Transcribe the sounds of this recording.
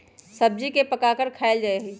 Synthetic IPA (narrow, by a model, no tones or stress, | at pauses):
səb̚d͡ʒikepəkakəɾkʰaːɪld͡ʒaːeɦi